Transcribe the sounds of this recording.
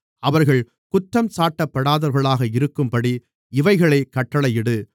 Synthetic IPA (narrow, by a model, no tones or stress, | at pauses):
ɐʋɐɾɣɐɭ | kʊt̪ːɐmsaːʈːɐpːɐɽaːðɐɾɣɐɭaːɣɐɪɾɯkːɯmpɐɽi | ɪʋɐɪɣɐɭɐɪkːɐʈːɐɭɐjɪɽɯ